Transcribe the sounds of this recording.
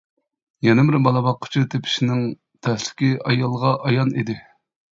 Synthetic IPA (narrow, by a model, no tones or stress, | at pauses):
jɛnɪbɪɾbɑlˠɑbɑqʰːə̥t͡ʃʰit̪ʰepʰɪ̥ʃinɪŋ | t̪ʰɛslɪ̥kʲiɑjɑlˠʁɑʔɑjɑnid̪ɪ